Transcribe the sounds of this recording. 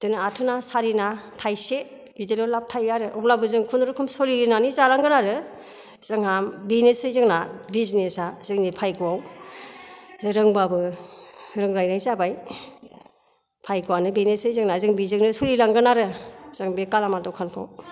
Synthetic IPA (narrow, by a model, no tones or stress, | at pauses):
dɯnɯatʰɯnasaɾinatʰajse | bizelɔlap̚tʰajːaɾɯʔɔp̚labɯzɯŋkʰundɾukʰɯmsolinanizalaŋɡɯnaɾɯ | z̥ɯŋambinesɯjzɯŋnabiznesazɯŋnipʰajɡɯwaw | ɾɯŋbabɯ | ɾɯŋɾajnajzabaj | pʰajɡuwanɯbinesɯjzɯŋnazɯŋbizɯŋnɯsɔɾilaŋɡɯnaɾɯz̥ɯŋbekalamadɔwkʰankʰa̰w